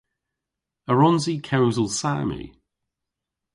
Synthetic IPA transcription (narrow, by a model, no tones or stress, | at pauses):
əɹɔ̃nzikʰɛwzəlˠsa̰ːmḭ